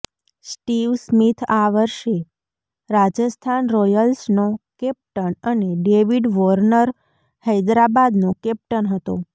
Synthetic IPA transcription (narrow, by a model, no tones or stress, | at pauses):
sʈiʋsmit̪ʰaʋəɾʃe | ɾad͡ʒəst̪ʰanɾɔjəlsnokɛp̚ʈəɳəneɖeʋiɖʋɔɾnəɾ | həjd̪ɾabad̪nokɛp̚ʈənɦət̪o̰